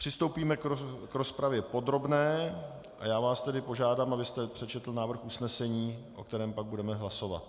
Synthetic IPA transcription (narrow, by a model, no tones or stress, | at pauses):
pr̥ɪst̪owpiːmɛkkɾo̞spɾavjɛpo̞d̪ɾo̞bnɛː | ʔa̰jaːvaːst̪ɛdɪpo̞ʒaːdaːmʔabɪst̪ɛpr̥ɛt͡ʃɛt̪l̩naːvr̩xʔusnɛsɛɲiːʔo̞̰kt̪ɛɾɛːmpaɡ̚budɛmɛɦlaso̞va̰t̪̚